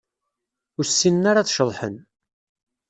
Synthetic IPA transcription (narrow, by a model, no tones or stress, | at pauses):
ʊɾsːinːaɾaθʃəðˤħə̰n